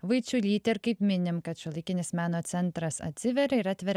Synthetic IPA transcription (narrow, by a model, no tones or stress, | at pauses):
ʋɐɪt͡ʃʲulʲiːt̪ʲɛɾkɐɪpʲmʲɪnʲɪmkɐt̪ʃʲʊlˠɐɪkʲɪnʲɪsmʲæːnoːt̪sʲɛnt̪ɾɐsɐ̰t̪ʲsʲɪʋʲɛɾɐɪɾɑːt̪ʲʋʲɛɾ